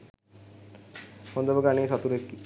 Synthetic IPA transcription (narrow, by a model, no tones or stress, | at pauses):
hond̪əʋəɡaneːsat̪uɾekːi